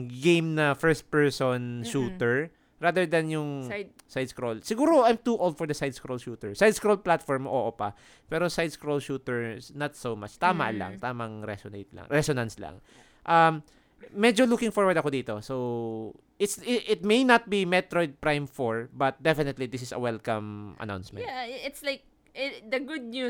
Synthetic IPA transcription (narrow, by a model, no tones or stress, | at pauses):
ɡẽjmnɐfɛɹst̪̚pɛɹsonʃuːt̪ɛɹ | ɹad̪ɛɹd̪ɐnjʊŋ | sajd̪skɹolsɪɡuːɾoʔajmt̪uʔolˠd̪̚fɔɹd̪ɐsajd̪skɹolʃuːt̪ɛɹsajd̪skɹolplat̪fɔɹmʔoːʔopa | pɛːɾosajd̪skɹolʃuːt̪ɛɹsnɐt̪sowma̰t͡ʃt̪aːmɐ̰la̰ŋt̪aːmɐŋɹɛ̰sonḛjt̪̚lɐ̰ŋɹɛsonɐnsla̰ŋ | ʔɐmː | ɛd͡ʒolukɪ̃ŋfɔɹwɐɹd̪ɐkod̪iːt̪o̞sow | ʔɪt̪sɪʔɪt̪̚mejnɐt̪̚bimɛt̪ɾojd̪̚pɹajmfoɹbɐt̪̚d̪ɛfɪnɛt̪lid̪ɪsɪsɐ̰wɛlkɐmʔɐ̰na̰wnsmɛ̰̃aɪt̪slaɪk̚ | d̪ɐɡʊd̪̚ɲu